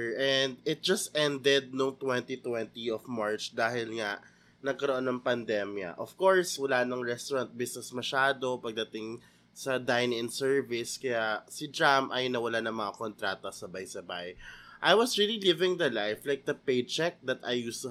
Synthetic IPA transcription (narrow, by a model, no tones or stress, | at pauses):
ʔɛ̃nd̪̚ɪt̪̚d͡ʒɐst̪ʔɛ̃nd̪ɛd̪̚noŋt̪wɛnt̪it̪wɛnt̪iɔfmaɹt͡ʃd̪aːhɪlŋaʔ | nɐɡ̚kɐɾoʔonːɐŋpɐnd̪ɛmjɐ̰ʔɔfkoɹswɐlanɐŋɹɛst̪oɾɐnt̪̚bɪsnɛsmɐʃaːd̪opɐɡ̚d̪ɐt̪ɪŋ | sɐd̪ajnɪ̃nsɛɹvɪskɐjasɪd͡ʒamʔa̰jʊnːɐwɐlanɐŋmɐŋakont̪ɾaːt̪ɐsɐbajsɐbajʔajwɐsɹililɪvɪ̃ŋd̪ɐlajflajk̚d̪̥ɐpejd̪̚t͡ʃɛk̚d̪ɐt̪ajust̪u